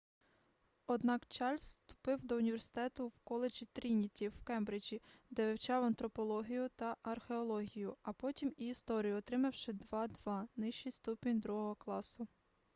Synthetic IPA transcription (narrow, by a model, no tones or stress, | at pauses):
ɔd̪nɑkt͡ʃɑlʲsst̪ʊ̥pɪwd̪ɔʊnʲiʋʲersɪ̥t̪ɛt̪ʊwkɔlˠed͡ʒit̪ɾʲinʲitʲiwkɛmbɾɪd͡ʒʲid̪ɛʋʲɪwt͡ʃɑwɐnt̪ɾɔpɔlˠɔɦʲijʊt̪ɐʔɐrxeɔlˠɔɦʲijʊɐpɔtʲimiːst̪ɔɾʲijʊɔt̪ɾɪmɐwʃɪd̪ʋɑd̪ʋɑnɪʃt͡ʃijst̪upʲinʲd̪ɾuɦɔɦɔklˠɑsʊ